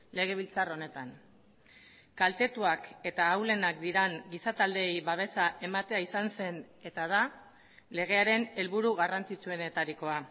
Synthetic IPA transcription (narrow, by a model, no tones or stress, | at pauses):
le̞ɣ̞e̞β̞ilt͡saro̞ne̞t̪an | kalt̪e̞t̪uake̞t̪aːwle̞nakd̪iɾaŋɡisat̪ald̪e̞jβaβ̞e̞saʔe̞mat̪e̞aisanse̞n | e̞t̪að̞a | le̞ɣ̞e̞aɾe̞ne̞lβuɾuɣarant͡sit͡sue̞ne̞t̪aɾiko̞a